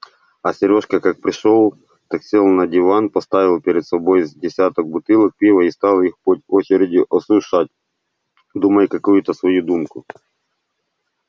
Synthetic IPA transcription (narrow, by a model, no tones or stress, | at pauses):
ɐsʲɪɾʲo̞ʂkɐkak̚pɾʲɪʂolˠ | t̪ɐksʲelˠnɐdʲɪvanpɐst̪avʲɪlˠpʲɪɾʲɪd̪sɐbo̞jzdʲɪsʲat̪ɔk̚bʊt̪ɨlˠək̚pʲivɐist̪ɑlˠixpotʲot͡ɕɪɾʲɪdʲɪʔɐsuʂat̚ʲ | d̪umɐjkɐkujʊt̪əsvɐjud̪umkʊ